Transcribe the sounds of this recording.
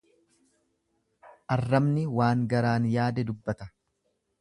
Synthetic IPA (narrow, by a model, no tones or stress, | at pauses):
ʔɐrːɐmnɪwaːŋɡɐɾaːnjaːd̪ɛd̪ʊbːɐt̪ɐ̥